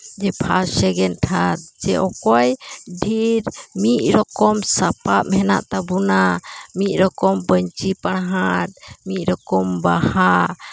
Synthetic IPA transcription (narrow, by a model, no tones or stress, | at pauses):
d͡ʒɛpʰasɛɡɛnʈʰat̪̚d͡ʒɛʔɔkɔjɖʱiɾmit̪̚ˀɾɔkɔmsapapɦɛna̰ʔt̪abunamit̪̚ˀɾɔkɔmbəɲt͡ʃipaɽ̃ɦat̪̚mit̪̚ˀɾɔkɔmbaha